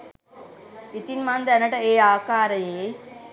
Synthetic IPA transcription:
it̪inmand̪ɐɐnɐʈɐeːaːkaːɾɐjeː

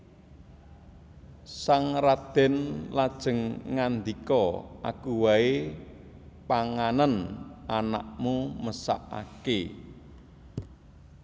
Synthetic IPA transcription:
saŋrad̪̥ɛ̤nlad̥ʒ̥ə̤ŋŋand̪ikɔʔa̰kuwae | paŋanənʔanaʔmuməsa̰ʔa̰ke

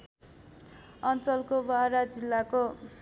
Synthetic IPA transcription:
ʌnt͡sʌlkobaɾad͡zilːako

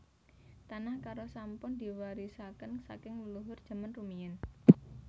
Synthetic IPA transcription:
t̪anahkaɾosampʊnd̪i̤waɾisakənsa̰kɪŋəluɦʊrd̥ʒ̥a̤manrumiən

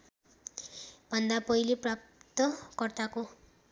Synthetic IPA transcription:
bʱʌnd̪apʌiliprap̚t̪ʌkʌrt̪ako

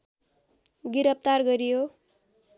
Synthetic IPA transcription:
ɡiɾʌp̚t̪arɡʌɾijo

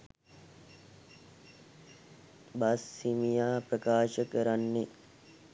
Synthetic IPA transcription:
basːimijaːprəkaːʃəkəɾanːe

